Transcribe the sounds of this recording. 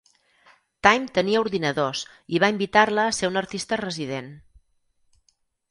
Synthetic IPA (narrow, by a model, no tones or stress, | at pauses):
t̪ajmt̪əniəuɾðinəðos | iβaimbit̪arləːseunəɾt̪ist̪ərəziðen